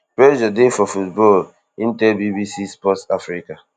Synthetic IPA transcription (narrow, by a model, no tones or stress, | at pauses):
pɛd͡ʒadefɔfutbɔl | in̩tɛbibisispɔtafɾika